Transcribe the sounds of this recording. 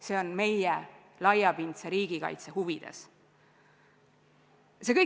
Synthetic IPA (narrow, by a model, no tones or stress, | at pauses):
se̞ːo̞nme̞jɛ | lɑjɑpint̪seɾiːɡ̥ikɑ̰jt̪sehuvid̪̥e̞̰s | se̞kɤj